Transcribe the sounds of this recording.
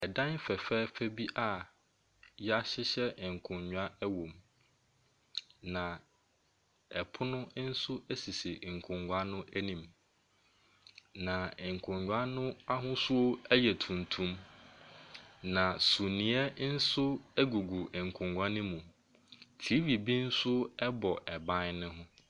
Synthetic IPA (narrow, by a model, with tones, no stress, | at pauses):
ɛ˨dã˦n˦fɛ˨fɛ˦fæ˦bi˦ʔa˦˨ | jɛ˦a˦ɕɪ˦ɕɛ˦˨ŋ̩˨kʰʊ̃˨ɲɲᶣʊ˨a˦ɛ˦wõ˨m | nã˨ | ɛ˨pʰʊ˦nʊ̃˦n̩˦sʊ˦æ˦si˨si˨ŋ̩˨kʰʊ̃˨ŋɡʷa˦nʊ̃˦ʔæ˦nĩ˨m | nã˨ŋ̩˨kʰʊ̃˨ɲɲᶣ˨˦a˦nʊ̃˦a˦ɦʊ̃˦sʊ˦o˦ɛ˦jɛ˨tʰũ˨n˨tʰũ˦m | nã˨su˨nĩ˨˦ɛ˦n̩˦sʊ˦æ˦ɡu˨ɡu˨ŋ̩˨kʰʊ̃˨ŋɡʷa˦nɪ̃˦mũ˨ | tʰi˨˦vi˨bi˦n̩˦sʊ˦ɛ˦bɔ˨ʔɛ˨bã˦nnʊ̃˦ɦʊ̃˦